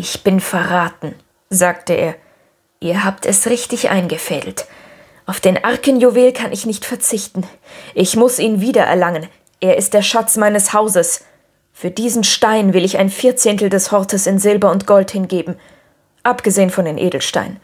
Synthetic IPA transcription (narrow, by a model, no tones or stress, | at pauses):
ʔɪçb̥ɪnfɛɐʁaːtn̩ | zaːk̚təʔḛːɐ | ʔiːɐɦaːptʰɛsʁɪçtɪçʔa̰ɪnɡəfɛːdl̩t | ʔaʊfd̥eːnʔaɐkənjuveːlkʰanʔɪçnɪçtfɛɐt͡sɪçtn̩ | ʔɪçmʊsiːnviːdɐʔɛ̰ɐlaŋən | ʔeːɐʔɪst̚d̥eːɐʃat͡smaɪnəshaʊzəs | fyːɐdiːzn̩ʃtaɪnvɪlɪça̰ɪnfɪɐt͡seːntl̩dɛshɔɐtʰəsɪnzɪlbɐʊntɡ̥ɔlthɪnɡeːbm̩ | ʔapɡ̥əzeːənfɔndeːnʔḛːdl̩ʃta̰ɪnən